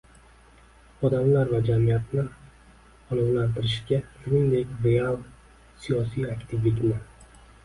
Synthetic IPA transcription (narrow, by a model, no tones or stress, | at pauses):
ɒd̪amlaɾvad͡ʒamijat̪̚nɪ | ɒnɪzlant̪ʰɪɾɪʃɡʲasʊnɪnd̪e̞kʲɾe̞alˠ | sijɒsijakʲt̪ʰɪvɪk̪ʲnɪ